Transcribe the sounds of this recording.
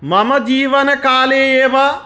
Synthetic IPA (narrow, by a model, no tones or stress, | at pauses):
mɐmɐd͡ʒiːʋɐnɐkaːleːeːʋɐ